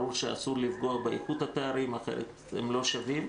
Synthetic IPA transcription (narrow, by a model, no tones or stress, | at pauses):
ɾuʃea̰sulivɡo̞abeeχut̪hat̪eaɾimaχḛɾḛt̪ | hḛmlo̞ʃavim